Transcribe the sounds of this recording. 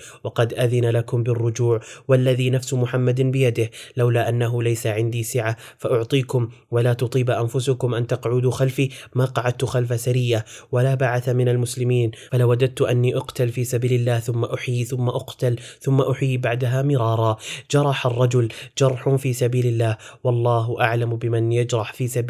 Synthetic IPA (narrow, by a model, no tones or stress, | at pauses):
wɑqɑd̪ʔaðɪnalakʊmbɪrːʊd͡ʒuːʕwalːaðiːnafsmʊħamːad̪bɪjad̪ɪhlawlaːʔanːaɦʊlajsaʕɪnd̪iːsɪʕafaʔʊʕt̪ˤiːkʊm | walaːt̪ʊt̪ˤiːbʔanfʊsʊkʊmʔant̪aqʕuːd̪uxalfiːmaːqɑʕad̪̚t̪ʊxalfasaɾɪjːawalaːbaʕaθamɪnalmʊslɪmiːnfalawːad͡ʒad̪̚t̪ʊʔanːiːʔʊqt̪alfiːsabiːlɪlːaːhθʊmːaʔʊħiθʊmːaʔʊqt̪alθʊmːaʔʊħjibaʕd̪aɦaːmɪɾˤɑːɾˤɑd͡ʒɑɾˤɑħarˤːɑd͡ʒʊld͡ʒɑɾˤħʊfiːsabiːlɪlːaːhwɑlˤːɑːɦʊʔaʕlambɪmɪnjad͡ʒɾˤɑħfiːsab